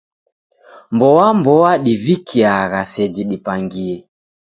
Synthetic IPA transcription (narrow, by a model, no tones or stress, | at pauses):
mbɔwambɔwaɗivikʰiaɣasɛd͡ʒiɗipaŋɡiɛ